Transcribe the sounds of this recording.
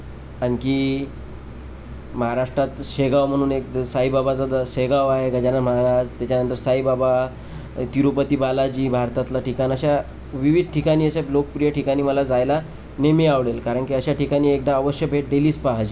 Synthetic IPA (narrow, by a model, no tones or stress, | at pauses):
aɽki | məɦaɾaʂʈɾat̪ɕeɡaʋm̤əɽ̃uːnek̚saɦibabad͡zad̪əɕeɡaʋaɦeɡʱəd͡ʑanaməɦaɾad͡zt̪jat͡ɕanənt̪əɾsaɦibaba | t̪iɾupət̪iːbalad͡ʑiːbʱaɾt̪at̪laʈʰikanəɕa | ʋiʋid̪̚ʱʈʰikaɽ̃iːəselok̚pɾijəʈʰikaɽ̃iːməlad͡zajla | nemiaʋɽelkaɾəɳkiəɕaʈikaɽ̃iːekd̪aəʋəɕjəbʱeʈ̚ɖeliːspaɦad͡ʑiː